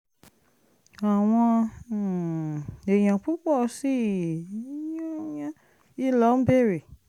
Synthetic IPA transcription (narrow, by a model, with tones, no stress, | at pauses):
a˨w̃ɔ̃˧˨ | e˨j̃ã˨k͡pu˦k͡pɔ˦˨si˦˨˦ | o˦jã˦ | i˦lɔ˨˦be˦˨ɾi˨